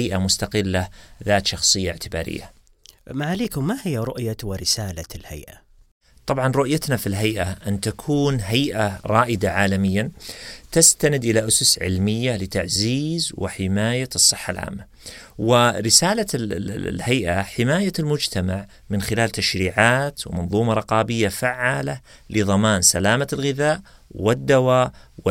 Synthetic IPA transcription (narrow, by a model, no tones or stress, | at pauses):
jʔamʊst̪aqɪlːaðaːt̪ʃɑxsˤɨjːaʕt̪ʰɪba̰ːɾɪ̰jːa̰ | maʕaleːkʊmːahɪjːaɾˤʊʔjawɪɾɪsaːlalha̰jʔa | t̪ˤɑbʕɑnɾˤʊʔjat̪nafilɦajʔaʔɪnt̪akʰuːnɦajʔaɾˤɑːʔɪd̪aʕaːlamɪjːant̪ast̪anɪd̪ʔɪlaʔʊsʊsʕɪ̰lmɪjːalɪt̪aʕziːzwɪ̰ħɪmaːjasˤːɨħːa̰lʕa̰ːmːa | wɪɾɪsaːlalhajʔaħɪmaːjalmʊd͡ʒt̪amaʕ | mɪnxɪlaːlt̪aʃɾiːʕaːt̪wɪmɑnðˤuːmɑɾˤɑqɑːbɪjːafaʕːaːla | lɪðˤɑmaːnsalaːmalɣɪðaːʔwɪd̪ːawaːʔwɪ